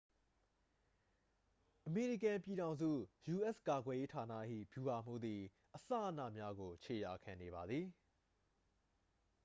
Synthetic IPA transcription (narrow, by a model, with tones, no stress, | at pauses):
ʔəme˨ɹi˦˨kã˨mpi˨ɾã˨ʊ̃nzṵ˦˨ju˨ʔɛ˦˨ska˨ɡwɛ˨je˦tʰa˨nä̰˦˨ʔhḭ˦˨b̥ju˨ba˨m̥ṵ˦d̪ði˨ | ʔəsa̰˦˨ʔə˨nä̰˦˨mja˦ɡo˨t͡ɕʰe˨ja˨kʰã˨ne˨βa˨d̪ði˨